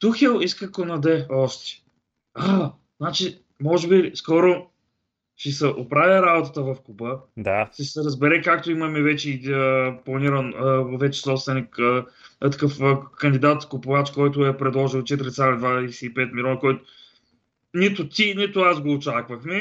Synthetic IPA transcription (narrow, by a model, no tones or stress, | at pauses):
t̪uxɛlˠiskəkonɐd̪ɛɔʃt̪ɛ̥ | a | znat͡ʃi | mɔʒɛbiskɔɾo | ʃisɛʔopɾavʲɾabot̪ət̪əvɐfkubəd̪aʃisɛɾəzbɛɾɛkak̚t̪oimɐmɛvɛt͡ʃɛiəplˠɐniɾənəvɛt͡ʃɛ̥sɔpst̪vɛnikət̪ə̥kɤfəkənd̪ʲid̪at̪kʊpʊvat͡ʃkɔjt̪̬ʊɛpɾɛd̪lˠɔʒilˠt͡ʃɛt̪iɾʲit̪ald̪vad̪ɛsiipɛt̪̚milʲɔnəkɔjt̪o | nit̪ʊt̪ʲinit̪ʊasɡoːt͡ʃakvɐxmɛ